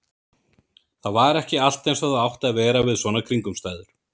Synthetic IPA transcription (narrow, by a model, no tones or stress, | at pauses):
θaðvaɾɛhcɪal̥t̪ejnsvaðaawht̪aðvɛːɾavɪðsvɔːnakʰɾiŋkʏmst̪aːjðʏɾ̥